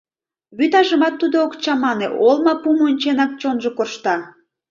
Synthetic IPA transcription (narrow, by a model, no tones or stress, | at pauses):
βyt̪ɑʒəmɑt̪ːud̪ookt͡ɕɑmɑneʔolˠmɑpumonʲt͡ɕenɑk̚t͡ɕonʒokorʃt̪ɑ